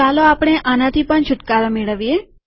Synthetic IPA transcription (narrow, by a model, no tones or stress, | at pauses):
aloapɽ̃eʔanãt̪ʰipəɳt͡ʃʰʊʈkaɾameɭəʋije